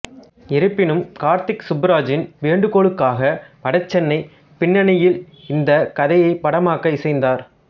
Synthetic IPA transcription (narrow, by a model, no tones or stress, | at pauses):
ɪɾɯpːɪnɯmkaːɾt̪ɪksʊbɾaːd͡ʒɪnʋeːɳɖɯkoːɭɯkːaːɣɐpɐɽɐt͡ʃːɛnːɐɪ | pɪɳːɐnɐjɪl | ɪnd̪ɐkɐðɐjɐɪpːɐɽɐmaːkɐɪsɐɪnd̪aːɾ